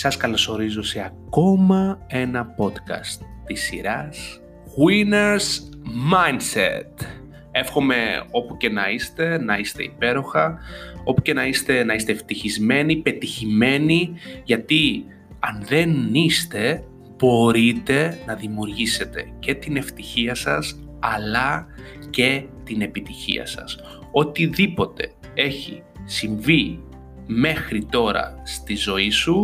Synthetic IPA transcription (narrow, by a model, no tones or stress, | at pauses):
sɐskɐlo̞so̞ɾizoseɐko̞mɐe̞nɐpo̞t̪kɐ̰st̪ːisiɾɐs | ɣwineɾsmɐjnsḛt̪ | e̞fxo̞me̞o̞puce̞nɐist̪e̞nɐist̪e̞̰ipe̞ɾo̞xɐo̞puce̞nɐist̪e̞nɐist̪eft̪içizme̞nipe̞t̪içime̞niʝɐt̪i | ɐnðe̞nist̪e̞ | b̥o̞ɾit̪e̞nɐðimiuɾʝise̞t̪e̞ce̞t̪ine̞ft̪içiɐsɐs | ɐlɐ | ce̞t̪ine̞pit̪içḭɐ̰sɐ̰s | o̞t̪iðipo̞t̪e̞̰ | e̞çḭ | siɱvi | me̞xɾit̪o̞ɾɐ̰st̪izo̞isu